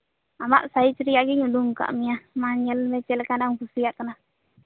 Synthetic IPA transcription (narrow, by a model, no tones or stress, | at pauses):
ama̰ʔsait͡ʃɾijaʔɡiɲuduŋka̰ʔmijamaɲɛlmɛt͡ʃɛlkanaŋkusijaʔkəna